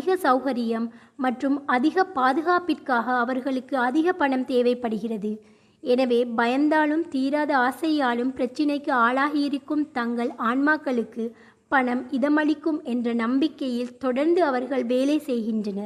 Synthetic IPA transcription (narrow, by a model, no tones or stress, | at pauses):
ɪɣɐsɐʊɣɐɾɪjɐmː | ɐʈrɯmɐðɪɣɐpaːðɯɣaːpɪrkaːɣɐːʋɐɾɣɐɭɯkːɯɐðɪɣɐpɐɳɐmt̪eːʋɐɪpːɐɽɯɣɪrɐðɯ | ɛnɐʋeːbɐjɐnd̪aːɭɯmt̪iːɾaːðɐaːsɐjaːɭɯmpɪɾɐt͡ʃːɪnɐɪkːɯaːɭaːɣɪjɪɾɪkːɯmt̪ɐŋɡɐɭaːɳmaːkːɐɭɯkːɯ | pɐɳɐmɪðɐmɐɭɪkːɯmɛndrɐnɐmbɪkːɐjɪlt̪ɔɽɐɾnd̪ɯɐʋɐɾɣɐɭʋeːleːsɛjɣɪndrɐnɐɾ